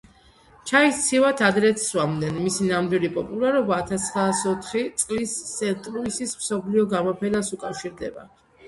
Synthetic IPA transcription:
t͡ʃʰaist̪sʰivat̪ʰad̪ɾɛt̪ʰsvamd̪ɛnmisinamd̪wilipʼɔpʼulaɾɔbaːt̪ʰast̪ʰχɾaːsɔt̪ʰχit̪sʼqʼlisːɛnt̪ʼɾuisismsɔpʰliɔɡamɔpʰɛnasukʼafʃiɾd̪ɛ̰ba̰

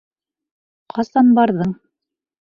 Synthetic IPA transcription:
qʰɑsɑnbɑɾðɤɴ

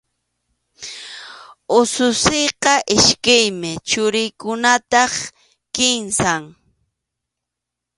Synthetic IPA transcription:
ʊsʊsejqɑʔɪʃkajmɪt͡ʃʊɾɪjkʊnat̪ɑχ | kɪnsaŋ

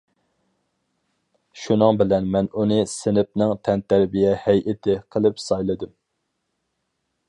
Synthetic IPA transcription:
ʃunɨŋbɪlɛnmɛnunɨsɪnɪp̚nɪŋt̪ʰɛnt̪ʰæɾbijɛhɛjʔɪt̪ʰɪqʰəlˠɨpsɑjlˠɨd̪ɨm

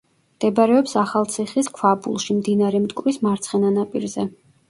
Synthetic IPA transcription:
md̪̥ɛbɾɛɔpsaχalˠt̪sʰiχiskʰwabṵlˠʃimd̪inaɾɛmt̪ʼkʼvɾismaɾt̪sʰχɛnanapʼḭɾzɛ

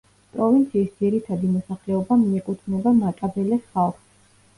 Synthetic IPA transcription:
pʼɾɔvint̪sʰiːsd̪ziɾit̪ʰad̪imɔsaχlɛɔbamiɛkʼut̪ʰnɛbamatʼabɛlɛsχalˠχs

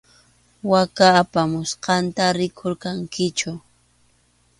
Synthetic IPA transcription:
wakaːpamʊsqɑnt̪aɾɪkʰoɾkaŋkɪt͡ʃʊ

